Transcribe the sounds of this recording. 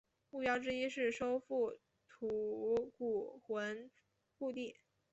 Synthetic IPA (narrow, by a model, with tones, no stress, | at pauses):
mu˥˩pjɑ˥ʊʈ͡ʂɻ̩˥i˥ʂɻ̩˥˩ʂo˥ʊfu˥˩ | t̪ʰu˨˧˩ku˨˩xwə˧˥n | fu˥˧t̪̬i˥˩